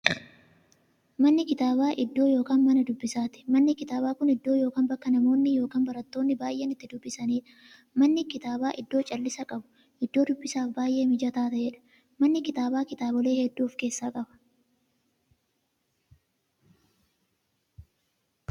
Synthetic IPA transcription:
mɐnːɪkɪt̪aːbaːʔɪd̪ːo̞ːjoːkaːnmɐnɐd̪ʊbːɪsaːt̪ɪ̥mɐnːɪkɪt̪aːbaːkʊnɪd̪ːo̞ːjo̞ːkaːnbɐkːɐnɐmo̞ːnːɪjo̞ːkaːnbɐɾɐt̪ːo̞ːnːɪbaːjʔenɪt̪ːɪd̪ʊbːɪsɐniːᶑɐ̥ | mɐnːɪkɪt̪aːbaːʔɪd̪ːo̞ːt͡ʃʼɐlːɪsɐkʼɐbʊ̥ | ʔɪd̪ːo̞ːd̪ʊbːɪsaːfbaːjʔe̞ːmɪd͡ʒɐt̪aːt̪ɐjɛᶑɐ̥ | mɐnːɪkɪt̪aːbaːkɪt̪aːbɔle̞ːhɛd̪ːuːfke̞ːsːaːkʼɐbɐ̥

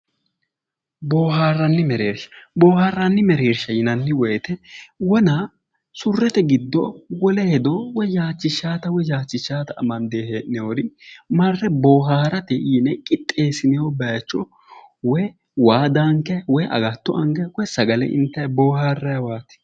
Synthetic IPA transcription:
boːhaːrːɐnːɪmɛɾeːɾʃɐ̥bo̞ːhaːrːɐnːɪmɛɾeːɾʃɐjɪnɐnːɪwɔjt̪ɛwɔnɐ | sʊrːɛt̪ɛɡɪd̪ːɔwɔlɛhɛd̪ɔwɔjjaːt͡ʃːɪʃːaːt̪ɐwɔjaːt͡ʃːɪʃːaːt̪ɐɐmɐnd̪eːheːʔnɛwoɾɪmɐrːɛboːɦaːɾɐt̪ɛiːnɛkʼɪt̪ʼːe̞ːsɪnɛwɔbɐjt͡ʃːɔ | wɔj | waːd̪aŋkɛwɔjʔɐ̰ɡɐt̪ːɔʔɐŋɡɛwɔjsɐɡɐlɛ̰ʔɪ̰nt̪ːɐjboːhaːrːɐjwaːt̪ɪ̥

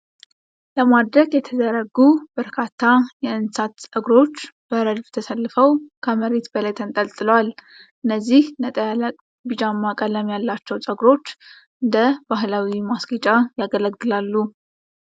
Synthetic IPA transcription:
ləmad̪ɾəɡjɛt̪ʰəd̪əɾəɡub̥əɾkʰat̪ʰːajɛɨnsat̪sʼəɡɾo̞t͡ʃːb̥əɾəd͡ʒbt̪ʰəsəlːɨfəwkʰəməɾe̞t̪bəlajt̪ʰənt̪ʼəlt̪ʼɨləwal | ʔɨnːəzːihnət̪ʼəjaləkʼ | bɨd͡ʒʼamːakʼələmjalːat͡ʃːɛwsʼəɡɾo̞t͡ʃː | ʔɨnd̪əbaɦlawimasɡit͡ʃʼajaɡələɡːɨlalːu

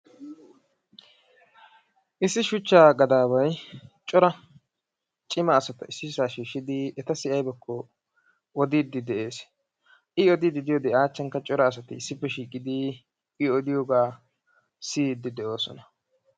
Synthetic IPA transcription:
ʔɪsːɪʃʊt͡ʃːaːɡɐd̪aːbɐjt͡ʃʼɔɾɐ | t͡ʃʼɪmɐːsɐt̪ɐɪsːɪsaːʃiːʃːɪd̪ɪɛt̪ɐsɪʔɐjbɛkːɔ | ɔd̪id̪ːɪd̪ɛʔe̞ːs | ʔɪɔd̪ɪd̪ɪd̪ɪjoːd̪ɛaːt͡ʃːɐŋkɐt͡ʃʼɔɾɐːs̬ɐt̪ɪːsːɪpːɛʃiːkʼɪd̪ɪ | ʔɪɔd̪ɪjoːɡaː | sid̪ːɪd̪ɛʔo̞ːsɔ̰nɐ

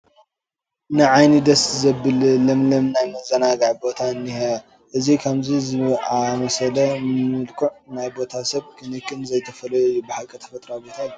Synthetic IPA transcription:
nɨʕajnid̪ɐszɐbɨllɐmlɐmnajmɐzɐnaɡaʕbo̞t̪ʰaɨnːihɐ | ʔɨzikʰamzizɨamɐsɐlɐmɨlkʰuʕnajbo̞t̪ʰasɐβkʰɨnɨkʰʼːɨnzɐjt̪ʰɐfɐlɐjojːubɨħalkʼɐt̪ʰɐ̥fɐt̪ʼɾabo̞t̪ʰaj

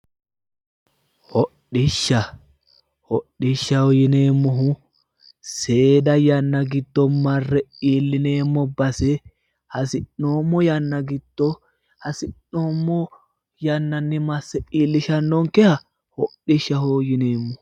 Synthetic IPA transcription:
hɔɗɪʃːɐ | hɔɗːɪʃːɐhoːjɪneːmːɔɦʊ | seːd̪ɐjɐnːɐɡɪt̪ːɔmɐrːɛiːlːɪneːmːɔbɐsɛ | hɐsɪnːoːmːɔjɐnːɐɡɪt̪ːɔ | hɐsɪnːomːɔ | jɐnːɐnːɪmɐsːɛiːlːɪʃɐnːɔŋkɛhɐ | hɔɗɪʃːɐhoːjɪneːmːɔ

